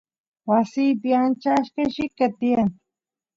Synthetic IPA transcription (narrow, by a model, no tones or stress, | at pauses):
wasijpɪant͡ʃaʃkaʃɪkat̪iaŋ